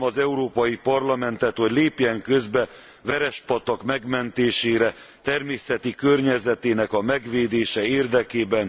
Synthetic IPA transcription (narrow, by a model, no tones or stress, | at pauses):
ɒzɛuɾoːpɒjipɒrlɒmɛnt̪ɛt̪ho̞ɟleːpjɛŋkø̞zbɛ | ʋɛɾɛʃpɒt̪ɒkmɛɡmɛnt̪eːʃeːɾɛ | t̪ɛrmeːsɛt̪ikørɲɛzɛt̪eːnɛkɒmɛɡʋeːd̪eːʃɛeːrd̪ɛkeːbɛn